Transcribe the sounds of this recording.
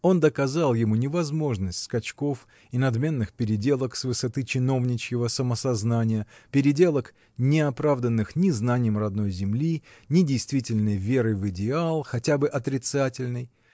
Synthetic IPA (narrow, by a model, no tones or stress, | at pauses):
o̞nd̪əkɐzalˠjɪmunʲɪvɐzmo̞ʐnəsʲtʲskɐt͡ɕko̞f | ɪnɐd̪mʲe̞nːɨxpʲɪɾʲɪdʲe̞lˠəksvɨsɐt̪ɨt͡ɕɪno̞vnʲɪt͡ɕjɪvəsəməsɐznanʲɪjəpʲɪɾʲɪdʲe̞lˠək | nʲɪɐpɾavd̪ənːɨxnʲɪznanʲɪjəmrɐd̪no̞jzʲɪmlʲinʲɪdʲɪjst̪vʲitʲɪlʲnəjvʲe̞ɾɨvɨdʲɪalˠxɐtʲabɨʔɐt̪ɾʲɪt̪satʲɪlʲnɨj